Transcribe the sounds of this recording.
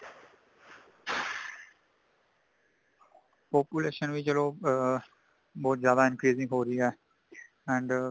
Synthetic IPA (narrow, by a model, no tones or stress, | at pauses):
poːpjʊleːʃənʋit͡ʃəloː | bɔːt̪zjaːd̪aːɪ̃nkɾiːzɪ̃ŋɡɦoːɾəiɛː | ɛ̃ːɳɖ